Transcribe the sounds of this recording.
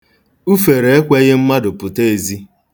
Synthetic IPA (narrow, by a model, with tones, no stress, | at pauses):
u˦fe˨ɾe˨e˦kʷe˦ɣɪ˦m̩˦ma˦dʊ˨pʊ˨te˦e˨zi˦